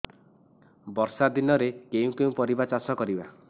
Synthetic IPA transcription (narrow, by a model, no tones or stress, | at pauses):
bɔɾsad̪inɔɾekeũkeũpɔɾibat͡ʃasɔkɔɾiba